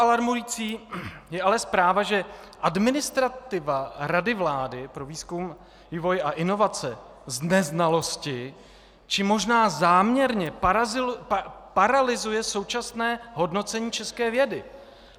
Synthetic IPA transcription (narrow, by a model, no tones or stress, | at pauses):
alaɾmujiːt͡siːjɛʔalɛspɾaːvaʒɛʔadmɪnɪst̪ɾat̪ɪvaɾadɪvlaːdɪpɾo̞viːskum | viːvo̞jʔaʔɪno̞vat͡sɛ | znɛznalo̞scɪ | t͡ʃɪmo̞ʒnaːzaːmɲɛɾɲɛ | paɾalɪzujɛso̞wt͡ʃasnɛːɦo̞dno̞t͡sɛɲiːt͡ʃɛskɛːvjɛdɪ